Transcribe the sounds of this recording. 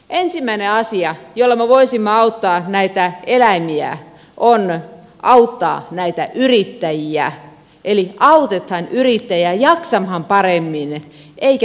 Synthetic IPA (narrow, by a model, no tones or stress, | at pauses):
ʔensimːæineɑsiɑjolːɑmeʋoisimːɑɑut̪ːɑːnæit̪æelæmiæ̰ | ʔon | ʔɑut̪ːɑ̰ːnæit̪æʔyrit̪ːæjiæ | ʔeliʔɑut̪et̪hɑnyrit̪ːæjæjɑksɑmhɑmpɑremːin | ʔeikæ